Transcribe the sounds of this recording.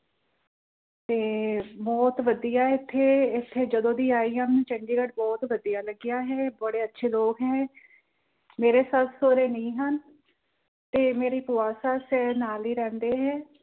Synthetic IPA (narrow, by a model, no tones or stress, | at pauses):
t̪eːbɔːt̪ʋəd̪ijaːɪt̪ʰːeːɪt̪ʰːeːd͡ʒəd̪õːd̪iːaːiːɦənt͡ʃəɳɖiːɡəʈbɔːt̪ʋəd̪ijaːləɡɪjaːɦɛːbəɽeːətːʃʰeːloːkɦɛ̃ː | meːɾeːsat̪soːɾeːnĩːɦən | t̪eːmeːɾiːpʊaːsaːsɛːnaːliːɾɛ̃ːnd̪eːɦɛː